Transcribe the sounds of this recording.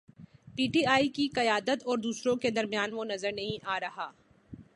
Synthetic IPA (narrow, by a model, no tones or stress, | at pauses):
piːʈiːaːikiqɐjaːd̪ət̪ɔːɾd̪uːsɾõked̪ɐɾmijaːnʋonɐzəɾnɐɦĩʔaːɾɐɦaː